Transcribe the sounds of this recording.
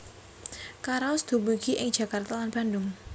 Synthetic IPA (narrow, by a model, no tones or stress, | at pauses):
kaɾasd̪̥ubuɡiʔɪŋd͡ʒ̥ä̤kart̪alanb̥andʊŋ